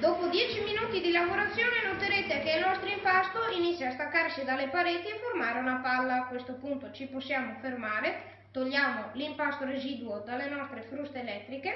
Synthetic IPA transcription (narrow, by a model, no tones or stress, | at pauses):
d̪oːpod̪jɛt͡ʃiminuːt̪id̪ilaɡoɾat̪sːjoːnenot̪eɾet̪ekeilnɔst̪ɾoimpast̪oinit̪sːjaːst̪akːarsid̪alːepaɾeːt̪ieformaːɾeunapalːaːkwest̪opunt̪ot͡ʃiposːjaːmofermaːɾe | t̪oʎːaːmolimpast̪oɾeziːd̪uod̪alːenɔst̪ɾefɾust̪eːlɛt̪ːɾike